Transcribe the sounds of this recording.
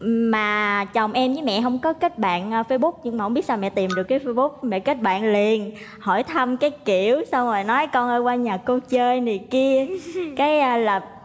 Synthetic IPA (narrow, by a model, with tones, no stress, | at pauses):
maː˨˩t͡ɕə˨˩wŋ͡mʔɛ˧mvɨ˨˦mɛ̰˧˨ɦə˧wŋ͡mkɔ˨˦kə˦˥t̚ɓa̰ː˧˨nː˧fe˧jɓʊ˦˥k͡p̚ɲɨ˧ŋ͡mmaː˨˩˧ŋ͡mi˦˥t̚sa˧mɛ̰˧˨t̪i˨˩mɗɨ˨˩əkːaː˨˦fe˧jɓʊ˦˥k͡p̚mɛ̰˧˨kə˦˥t̚ɓa̰ː˧˨nli˨˩ən | hɔ˧˩jt̪ʰa˧mkaː˨˦jki˧˩˨əwsa˧wŋ͡mzo˨˩jnɔ˨˦jkɔ˧nʔəː˧jkwaː˧ɲaː˨˩ko˧t͡ɕəː˧jna˨˩ki˧əkaː˨˦jʔlaː˨˩